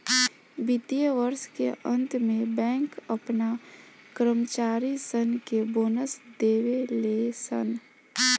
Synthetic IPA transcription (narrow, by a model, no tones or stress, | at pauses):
bit̪ijəʋəɾskḛʔə̃nt̪mẽbɛ̃ːŋkəpna | kɾəmət͡ʃaːɾisənkeboːnəsd̪eːʋelesə̰n